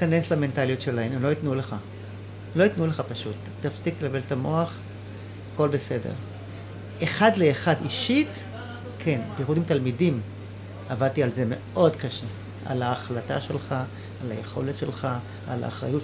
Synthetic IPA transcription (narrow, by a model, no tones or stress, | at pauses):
kane̞slame̞ntaljot̪ʃe̞lahememloitnule̞χa | lo̞itnule̞χapaʃutːafsikelabeltamo̞aχ | ako̞lbe̞se̞de̞̰ʁ | eχadleːχadiʃit | kʰenbejχudimtalmidim | avad̚tialze̞me̞ʔo̞dkaʃe | ʔa̰laːχlataʃe̞lχaː | lajeχo̞̰letʃe̞lχa | ala̰ːχʁa̰ju